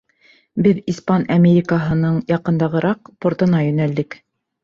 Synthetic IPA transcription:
bɘðispɑnɐmʲeɾʲikəɦɤ̆nɤɴjɑqɤ̆nd̪ɑʁɤ̆ɾɑq̚poɾt̪ɤ̆nɑjɵ̆næld̪ɘk

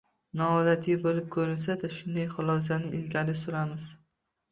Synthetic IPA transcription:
nɒɒd̪at̪ʰɪjbolɪp̚kʰɵɾɪnsad̪aʃʊnd̪ajχʊlˠɒs̬anɪʔɪlɡʲalɪsʊɾamɪz̥

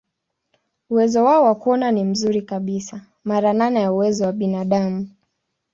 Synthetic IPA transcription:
uwɛzɔwaɔwakuɔnanim̩zuɾikaɓisa | maɾananajauwɛzɔwaɓinaɗamu

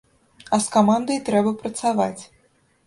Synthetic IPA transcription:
ɐskamand̪ɐjt̪ɾɛbɐpɾɐt̪savat͡sʲ

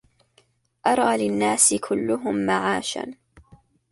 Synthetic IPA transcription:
ʔɑɾˤɑːlɪnːaːsɪkʰʊlːʊɦʊmːaʕaːʃa̰n

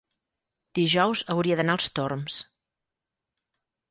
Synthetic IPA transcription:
d̪̥iʒɔwzəwɾiəðənaəlˠst̪oɾms

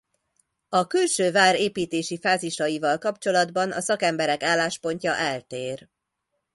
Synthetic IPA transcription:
ɒkylʃøːvaːɾeːpiːt̪eːʃifaːziʃɒjivɒlkɒpt͡ʃo̞lɒd̪bɒnɒ̰sɒkɛmbɛɾɛkaːlːaːʃpo̞ɲcɒʔɛlt̪eːr

